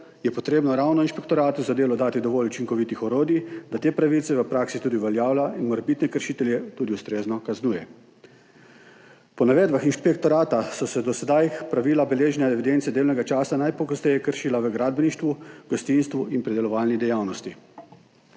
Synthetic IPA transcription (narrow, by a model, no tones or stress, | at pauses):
jɛpɔt̪ɾeːbnɔɾawnɔinʃpɛkt̪ɔɾaːt̪uzad̪eːlɔd̪aːt̪id̪ɔʋɔːlut͡ʃiŋkɔʋit̪ixɔɾoːd̪id̪at̪eːpɾaʋilt̪sɛʋəpɾaːksit̪uːd̪iʋɛljaːwlaʔinmɔɾɛbit̪nɛkəɾʃit̪ɛljɛt̪uːd̪iust̪ɾeːznɔkaznuːjɛ | pɔnaʋeːd̪baxinʃpɛk̚t̪ɔɾaːt̪asɔsɛd̪ɔsɛd̪ajpɾaʋiːlabɛleːʒnjad̪ɛʋid̪ent̪sɛd̪eːwnɛɡat͡ʃaːsanajpɔɡɔst̪ɛjɛkəɾʃiːlaʋəɡɾaːd̪̚bniʃt̪ʋuɡ̥ɔst̪inst̪ʋuinpɾɛd̪ɛlɔʋaːlnid̪ɛjawnɔst̪i